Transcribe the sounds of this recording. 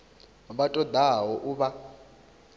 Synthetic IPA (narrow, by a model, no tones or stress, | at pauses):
βatʼɔd̪aɦɔʔuβa